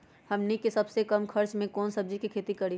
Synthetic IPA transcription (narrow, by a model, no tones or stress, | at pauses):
hɐmnikesɐbsekɐmkʰɐɾt͡ʃmẽkɔːnsɐb̚d͡ʒikikʰeːt̪ikɐɾi